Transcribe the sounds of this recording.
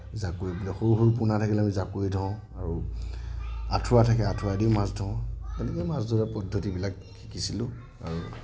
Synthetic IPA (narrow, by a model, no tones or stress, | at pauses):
zakuibulɛxoɹuxuɹup̬unatʰakilamizakuidʱɔw̃ | aɹu | atʰʊwatʰakɛatʰʊwadimasdʱɔ̃ʊ̃tɛnɛkɛmasdɔɹapɔdʱːɔtibilak | xʰikisilʊ̃ | aɹu